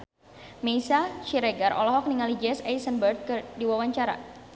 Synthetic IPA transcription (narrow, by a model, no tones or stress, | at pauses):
meisat͡ʃiɾɛɡarɔ̰lɔɦɔk̚niŋalid͡ʒɛsɛjsənbərt̪̚kɨrdiwawaɲt͡ʃaɾa̰